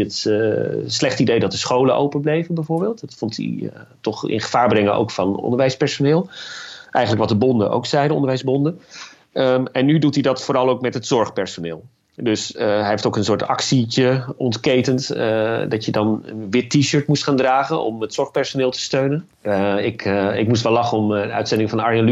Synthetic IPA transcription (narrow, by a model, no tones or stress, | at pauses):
ət | slɛχtidejdɑt̚dəsχowləʔo̰wpənblejvənbɛjvoːɹbeːlˠtdtfɔntḭ | tɔχɪ̰nχə̥v̥aːɹbrɛŋəʔo̰wkfɑnɔ̰ndəɹʋɛjspɛɹsonɪːlˠʔɛ̰jχənləkʋɑt̚dəbɔndə̰ʔo̰wksɛjdəɔ̰ndəɹʋɛjzbɔndə | ɛnːydutidɑtfoːɾɑlˠowkmɛtɦətsɔɹχpɛɹsonɪːlˠ | dɵsɦɛɦeftowkənsʊːɹtɑ̰ksit͡ʃəɔntkejtəntdɑtjədɑnə̰nʋɪtːiʃøːɹtmustχaːndraːχənɔ̰mətsɔɹχpɛɹsonɪːlˠtə̥støɥnən | ɪkɪkmus̬tʋɛlɑχəɔmœ̰ɥtsɛndɪŋfɑnɑɹəl